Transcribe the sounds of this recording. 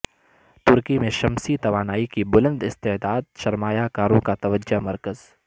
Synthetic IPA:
t̪ʊɾkimẽʃɐmsit̪ɐʋaːnaːikibʊlə̃nd̪ɪst̪ed̪aːd̪̚ʃɐɾmaːjakaːɾõkat̪ɐʋəd͡ʒamɐɾkəz̥

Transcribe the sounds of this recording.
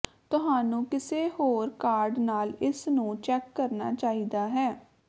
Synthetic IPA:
t̪ʊɦaːnũːkɪseːhoːɾkaːɾɖnaːlɪsnũːt͡ʃɛːkːəɾnaːt͡ʃaːiːd̪aːɦɛː

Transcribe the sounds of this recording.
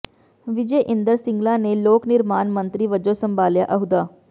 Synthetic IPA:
ʋɪd͡ʒɛjʔɪ̃nd̪əɾsɪ̃ŋɡlãːneloːknɪɾmaːnmə̃nt̪ɾiːʋəd͡ʒoːsə̃mbaːlja̰ːʔɐɦʊd̪aː

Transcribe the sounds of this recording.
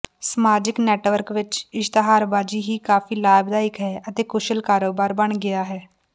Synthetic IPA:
səmaːd͡ʒɪknɛːʈʋəɾkʋɪt͡ʃɪʃt̪əɦaːɾbaːd͡ʒiːɦiːkaːfiːlaːbd̪aːɪkɦɛːət̪eːkʊʃəlkaːɾoːbaːɾbəɳɡɪjaːɦɛː

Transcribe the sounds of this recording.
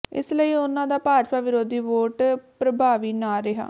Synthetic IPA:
ɪ̰sləiːʊnãːd̪aːpaːd͡ʒpaːʋɪɾoːd̪iːʋoːʈpɾəbʱaːʋiːnaːɾɪɦa̰ː

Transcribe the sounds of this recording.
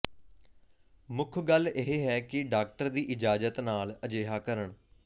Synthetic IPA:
mʊkʰɡəleɦeːɦɛːkɪɖaːk̚ʈəɾd̪iːʔɪd͡ʒaːd͡ʒət̪naːləd͡ʒeːɦaːkəɾəɳ

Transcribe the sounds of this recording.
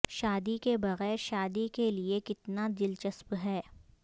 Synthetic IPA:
ʃaːd̪ikebɐɣɛːɾʃaːd̪ikeliekɪt̪nad̪ɪlt͡ʃəspɦɛː

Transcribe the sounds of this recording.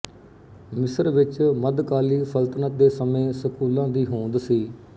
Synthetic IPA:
mɪsəɾʋɪt͡ʃməd̪kaːliːpʰəlt̪nəd̪eːsəmẽːsəkuːlãːd̪iːɦõːnd̪siː

